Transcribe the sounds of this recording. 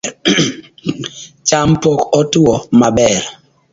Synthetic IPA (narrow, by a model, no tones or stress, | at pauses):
t͡ʃampɔkɔtwɔmabɛɾ